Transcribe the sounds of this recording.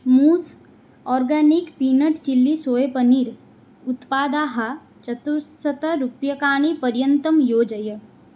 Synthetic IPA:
muːs | ɔːɾɡaːnikpiːnəʈt͡ʃilːisoːjepəniːɾ | ʊt̪paːd̪aːɦɐ | t͡ʃɐt̪uɾsɐt̪ɐɾupjɐkaːɳ̃ipɐɾjənt̪əmjoːd͡ʒɐjə

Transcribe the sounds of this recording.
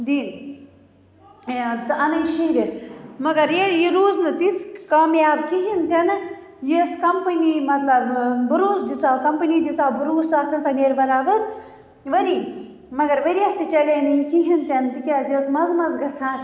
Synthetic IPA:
d̪iːn | t̪ɨɐnɐjʃiɦɾʲet̪ʰmɐɡɐɾjejiɾuːznɨt̪it͡skaːmjaːbkiɦʲint̪ʰʲɐnɨ | jeskɐmpɨniːmɐt̪lɐbbuɾuːsd̪it͡saːkɐmpɨniːd̪it͡saːbuɾuːsaːt̪ʰɐsɐneɾbɐɾaːbɐɾ | ʋɐɾi | mɐɡɐɾʋɐɾiɐst̪ɨt͡ʃɐlɐjnɐjikiɦʲint̪ʰʲɐnt̪ikʲaːzjesmɐzmɐzɡɐt͡sʰaːn

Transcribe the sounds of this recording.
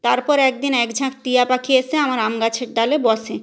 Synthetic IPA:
t̪aɾpɔɾɛk̚d̪inɛkd͡ʑʱãk̚t̪iapakʰiesʰeamaɾamɡat͡ɕʰeɾd̪alebɔsʰe

